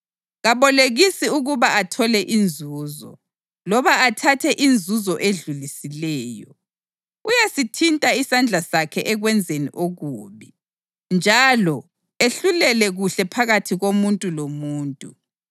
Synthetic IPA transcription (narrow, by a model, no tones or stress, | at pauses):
ɣaβɔleɣisiuɣuβaatʰɔlɛʔind͡zʱuːzɔ̰ | lɔβaatʰatʰɛʔind͡zʱuzɔʔeɮulisilɛːjɔ̰ | ujasitʰintʼaisand͡ɮʱasakʰɛʔɛɣwɛnd͡zʱenḭʔoɣuːβi | nd͡ʒʱalɔ | eɬulɛlɛɣuɬɛpʰaɣatʰiɣomuntʼulomuːntʼu